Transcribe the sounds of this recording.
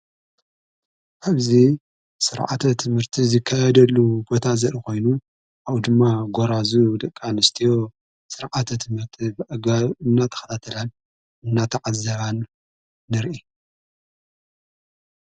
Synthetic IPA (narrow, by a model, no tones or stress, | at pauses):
ʔaβzi | sɨɾʕa̰t̪ʰɐt̪ʰɨmhɨɾt̪ʰizɨkʰːajɛd̪ɐlːubo̞t̪ʰazɐɾiko̞jnu | ʔaβd̪ɨmːaɡoɾazud̪ɐkʼʰːanɨst̪ʰijo̞ | sɨɾʕat̪ʰɐt̪ʰɨmhɨɾt̪ʰibʔɐɡaɨnːat̪ʰɐ̥xɐt̪ʰat̪ʰɐlan | ɨnːat̪ʰɐʕazːɐβanː | ɨɾʔi